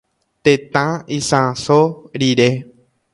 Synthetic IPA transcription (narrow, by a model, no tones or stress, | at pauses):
t̪ẽt̪ãisãsoɾiɾe